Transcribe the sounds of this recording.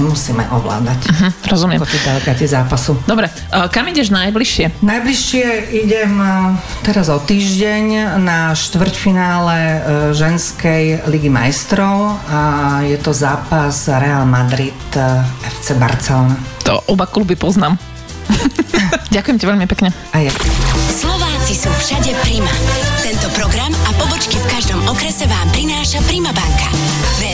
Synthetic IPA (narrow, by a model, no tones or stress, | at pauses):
musiːmɛ̰ʔɔʋla̰ːd̪acm̩ɦm̩ɾɔzumɪɛmkɔt̪idalɛɡat̪izaːpasud̪ɔbɾɛ | kamiɟɛʒnajbliʃɪɛnajbliʃɪɛiɟɛmt̪ɛɾazɔt̪iːʒɟɛɲnaʃt̪ʋr̩cfinaːlɛʒɛnskɛjliɡima̰jst̪ɾɔʊajɛt̪ɔzaːpazɾɛalmad̪ɾit̪ɛft͡sɛba̰ɾt͡sɛlɔnat̪ɔ̰ʔɔbaklubipɔznaːm | ɟakujɛmcaʋɛʎmipɛkɲɛ | ajaslɔʋaːt͡sisuːfʃaɟɛpɾimat̪ɛnt̪ɔpɾɔɡɾamapɔbɔt͡ʃkifkaʒd̪ɔmɔkɾɛsɛʋaːmpɾinaːʃapɾimabaŋka